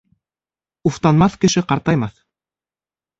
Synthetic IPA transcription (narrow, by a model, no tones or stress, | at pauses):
uft̪ɑnmɑθkɘ̆ʃɘqɑɾt̪ɑjmɑθ